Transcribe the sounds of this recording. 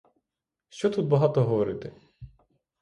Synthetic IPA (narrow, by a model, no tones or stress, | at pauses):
ʃt͡ʃɔt̪ud̪̚bɐɦɑt̪ɔɦɔʋɔɾɪt̪ɪ